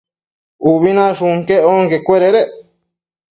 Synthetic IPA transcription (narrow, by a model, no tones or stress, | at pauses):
uβinãʃuŋkeoŋkekʷeɾeɾeʔ